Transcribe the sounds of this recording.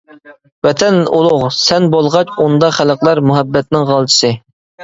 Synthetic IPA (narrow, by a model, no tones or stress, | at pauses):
vɛt̪ʰɛnulˠʊʁsɛnbolˠʁɑt͡ʃund̪ɑχæləqlˠɑɾmuɦæbːɛt̪nɪŋʁɑlˠt͡ʃʰi̥sɨ